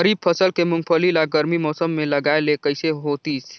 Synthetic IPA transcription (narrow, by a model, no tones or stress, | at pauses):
əɾib̚pʰəsəlkemuŋɡ̚pʰəlilaɡəɾmimɔːsəmːeləɡaelekəɪseɦot̪is